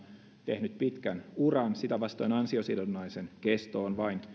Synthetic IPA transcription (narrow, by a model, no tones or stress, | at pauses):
t̪ehnyt̪̚pit̪kænurɑnsit̪æʋɑst̪oinɑnsiosilonːɑisenkest̪oːnʋɑin